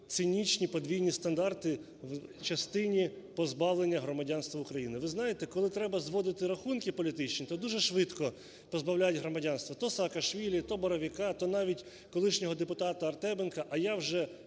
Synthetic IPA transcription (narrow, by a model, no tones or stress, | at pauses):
t̪sɪnʲit͡ʃnʲipɔd̪ʲʋʲijnʲist̪ɐnd̪ɑrt̪ɪ | wt͡ʃɐst̪ɪnʲi | pɔzbɑwlˠenʲːɐɦɾɔmɐdʲanst̪ʋɐʊkɾɐjinɪʋɪznɑjet̪ɛkɔlˠɪt̪ɾɛbɐzʋɔd̪ɪt̪ɪɾɐxunkɪpɔlʲit̪ɪt͡ʃnʲit̪ɔd̪uʒɛʃʋɪt̪kɔ | pɔzbɐwlʲajɪdʲɦɾɔmɐdʲanst̪ʋɐt̪ɔsɐːkɐʃʋʲilʲit̪ɔbɔɾɔʋʲikɑt̪ɔnɑʋʲitʲ | kɔlˠɪʃnʲɔɦɔd̪epʊt̪ɑt̪ɐɐrt̪ɛbenkɐʔɐjawʒɛ